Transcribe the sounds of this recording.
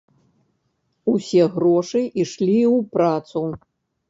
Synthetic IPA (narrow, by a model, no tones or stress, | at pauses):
usʲɛɣɾɔʂɨʔiʂlʲiwpɾat̪su